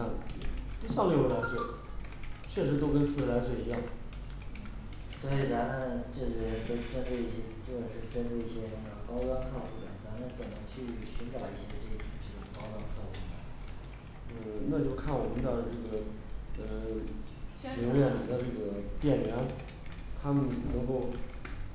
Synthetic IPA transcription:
a˥˩n̩˥˩t̪i˥ɕɑ˥˩ŋle˧˥wə˥la˧˥ʂwɛ˥˩ | t͡ɕʰɥɛ˥˩ʂɻ̩˧˥t̪o˥ʊkə˥nsɹ̩˥˩˧la˧˥ɪʂ̬wɛ˥˩i˧˥jɑ˥˩ŋ˩ | n̩˥˩ | swɔ˧˥i˨˩t͡sa˧˥mə˧ʈ͡ʂɤ˥˩ɕtə˧˥˧ʈ͡ʂɤ˥˧i˥˩ɕjɛ˥t͡ɕjo˥˧ʊjʂɻ̩˥˩ʈ͡ʂə˥ʈ͡ʂu˥˧i˥˩ɕjɛ˥ | ə˧kɑ˥ʊt̪wa˥nkʰɑ˥˧xu˥˩lə̰˨˩t͡sa˧˥mə˥˩t͡swə˨˩nd̪ə˧˥t͡ɕʰy˥˩ɕi˧˥ʈ͡ʂa˨˩i˥˩ɕjɛ˥ʈ͡ʂɤ˥˩ɡə˧ʈ͡ʂʊ˨˩ŋʈ͡ʂə˥˩ʈ͡ʂʊ˨˩ŋkɑ˥ʊt̪wa˥nkʰɤ˥˩xu˥˩d̪ə˩ | n̩˥˩na˥˧t͡ɕjo˥˧ʊkʰa˥˩nwɔ˨˩mə˦nd̪ə˧ʈ͡ʂɤ˥˩ɡə˩ | ə˧ | li˧˥ŋɥɛ˥˩nli˨˩d̪ə˧ʈ͡ʂɤ˥˩ɡə˩t̪jɛ˥˩nɥɛ˧˥n | t̪ʰa˥mə˨nnɤ˧˥ŋko˥˩ʊ

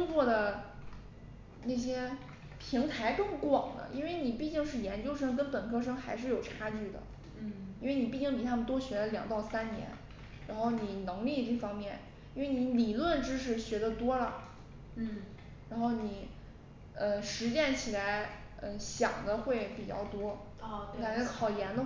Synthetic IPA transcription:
ʊ˥ŋt͡swɔ˥˩d̪ə˩ | na˥˩ɕ̬jɛ˥ | pʰi˧˥ŋt̪ʰa˧˥ɪkɤ˥˩ŋkwɑ˨˩ŋd̪ə̰˦ʔḭ˥nwe˥˩ɪni˨˩pi˥˧t͡ɕi˥˧ŋʂ̬ɻ̩˥˩jɛ˧˥nt͡ɕjo˥ʊʂ̬ɤ˥ŋk̬ə˥npə˨˩nkʰɤ˥ʂ̬ɤ˥ŋxa˧˥ɪʂ̬ɻ̩˥˩jo˨˩ʊʈ͡ʂʰa˥t͡ɕy˥˩d̪ə̰˩ | i˥nwe˥˧ɪni˨˩pi˥˩t͡ɕi˥˩ŋp̬i˨˩a˥mə˨nt̪wɔ˥ɕɥɛ˧˥ə˧ljɑ̰˨˩ŋt̪ɑ˥˩ʊsa˥nnjɛ̰˧˥n | ɻa˧˥nxo˥˩ʊni˨˩nɤ˧˥ŋli˥˧ʈ͡ʂɤ˥˩fɑ˥ŋmjɛ˥˩n | i˥nwe˥˧˩ɪni˧˥li˨˩lwə˥˩nʈ͡ʂɻ̩˥ʂ̬ɻ̩˧˩ɕɥɛ˧˥d̪ə˧t̪wɔ˥lə̰˨˩ | ɻa˧˥nxo˥˩ʊni˨˩˦ | ə˧˩ʂɻ̩˧˥t͡ɕjɛ˥˩nt͡ɕʰi˨˩la˧˥ɪ | ə˥˧ɕjɑ̰˨˩ŋd̪ə˦xwe˥˩ɪpi˨˩t͡ɕjɑ̰˥˩ʊt̪wɔ˥ | ka˨˩nt͡ɕʰɛ˧˥kʰɑ˨˩ʊjɛ˧˥nd̪ə˧

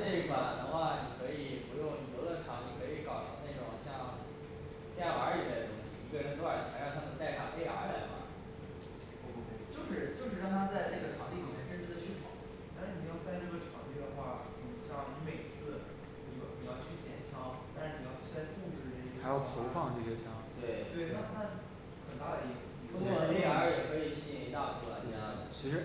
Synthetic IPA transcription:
e˥˩˧fa̰˨˩nd̪ə˦xwa˥˩ni˨˩kʰɤ˧˥i˨˩pu˧˥jʊ˥˩˧ŋ˨˩t̪ɤ˧˥lə˥˧˩ʈ͡ʂʰɑ˧˥ŋni˨˩kʰɤ˧˥i˧˩kɑ˨˩ʊʂɤ˧˥ne˥˩ʈ͡ʂʊ˨˩ŋɕjɑ˥˧ŋ | p̪ja˧˥li˨˩le˥˩ə˩ʊ˥ŋɕḭ˨˧i˧˥ɡə˧ɻə˧˥nt̪o˥a˥˩t͡ɕʰa˧˥ɻɑ˥˧t̪ʰa˥mə˧nt̪a˥˩ɪt̪ʰa˥pe˥ɪa̰˧˥la̰˨˩mɐ̰˩ | o˧˩kt͡ɕjo˥˧ʊʂɻ̩˥˩t͡ɕjo˥˧ʊʂɻ̩˥˧ɻɑ˥˧ŋt̪ʰa˥t͡sa˥˧ɪna˥˩ɡə˩ʈ͡ʂʰɑ˧˥ŋt̪i˥˩li˨˩mjɛ˥˩nʈ͡ʂə˥nʈ͡ʂ̩ʰ˥d̪ə˨˧t͡ɕʰy˥˩pʰɑ̰˨˩˦ | ɻwni˨˩jɑ˥˧ʊsa˥˧ɪnə˥˩ɡə˩ʈ͡ʂʰɑ̰˧˥ŋt̪i˥˩d̪ə˧xwa˥˩ | ni˨˩ɕʰjɑ˧˥˩ni˧˥me˨˩ɪt͡sʰɹ̩˥˩ | ni˨˩jo˧˥˩ni˨˩jɑ˥˧ʊt͡ɕʰy˥˩t͡ɕjɛ˧˥nt͡ɕʰjɑ˧˥ŋt̪a˥˧nʂɻ̩˧ni˨˩jɑ˥˩ʊt͡ɕʰa˥t̪ʰu˥˩t͡ɕo˥˧ʂɻ̩˧˩˥a˧˥ɪjɑ˥˩˥t̪ʰo˧˥ʊfɑ˥˧ŋ˩ʈ͡ʂɤ˥˩ɕjɛ˥t͡ɕʰjɑ˥ŋt̪we˥˩ɪt̪we˥˩ɪna˥˩na˥˩ | xə˨˩nt̪a˥˩d̪ə˩i˥˩fu˨˩i˨˩o˥ɔ˥˩ə˧˥e˥˩a˧˥ɻə˨˩kʰɤ˧˥i˨˩ɕi˥˩ɛ˥i˧˥t̪a˥˩fu˧˥la̰˧˩t̪i˥˧jɑ˥˩ə̰˨˩t͡ɕʰi˧˥ʂɻ̩˧˥

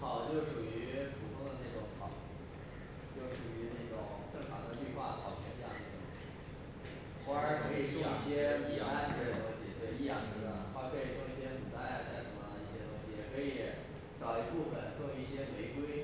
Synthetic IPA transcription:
t͡sʰɑ˨˩ʊt͡ɕjo˥˩ʊʂu˨˩y˧˥pʰu˨˩t̪ʰʊ˥ŋd̪ə˧na˥˩ʈ͡ʂʊ˧˥ŋt͡s̪ʰɑ˨˩˦ʊ˦ | t͡ɕjo˥˩ʊʂu˨˩y˧˥ne˥˩ʈ͡ʂʊ̰˨˩ŋʈ͡ʂɤ˥˩ŋtʰɑ˧˥ŋd̪ə˧py˥˧nxwa̰˥˩t̪ʰɑ˨˩ʊpʰjɛ˥˧n˥jɑ̰˥˧nə˥˩˧ | xwa˥a˧˥ɪkʰɤ˧˥i˨˩ʈ͡ʂʊ˥˧i˥˩ɕjɛ˥i˨˩a˥˩n˥˧˥tʊ˥ŋɕi˨˩t̪we˥˧i˥˧jɑ˥˩ŋʈ͡ʂ̩˧˥˩ə˧˩˥xwa˥˩kʰɤ˧˥i˨˩ʈ͡ʂʊ˥˧ŋi˥˩ɕjɛ˥mu˨˩t̪a˥˩ɪa˧˩ɕja˥˩ʂə˧˥nmə˧i˥˩ɕjɛ˥t̪ʊ˥ŋɕi˨˩jɛ˨˩kʰɤ˧˥i˧˩˦ | ʈ͡ʂɑ˨˩ʊi˧˥pu˥˩fə˨˩ntʊ˥˧ŋi˥˩ɕjɛ˥le˧˥ɪkwe˥ɪ

